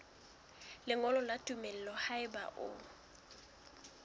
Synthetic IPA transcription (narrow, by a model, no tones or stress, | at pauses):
lɪŋɔlɔlatʼumɛl̩lɔhaɪba̰ʔʊ̰